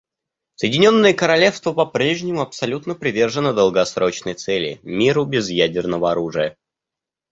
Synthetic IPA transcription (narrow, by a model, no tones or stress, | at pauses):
səjɪdʲɪnʲo̞nːəjəkəɾɐlʲe̞fst̪vəpɐpɾʲeʐnʲɪmʊɐpsɐlʲut̪nəpɾʲɪvʲe̞rʐənəd̪əlˠɡɐsɾʔo̞t͡ɕnəjt̪sɛlʲɪ̰mʲiɾʊbʲɪzjædʲɪrnəvəɐɾuʐɨjə